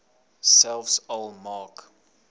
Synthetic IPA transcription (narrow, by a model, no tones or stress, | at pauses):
sɛlfsolmɑk